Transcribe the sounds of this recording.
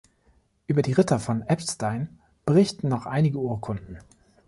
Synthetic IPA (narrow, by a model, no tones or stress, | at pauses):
ʔyːbɐdiːʁɪtɐfɔnʔɛpstaɪn | b̥əʁɪçtn̩nɔχʔa̰ɪnɪɡəuːɐkʰʊndn̩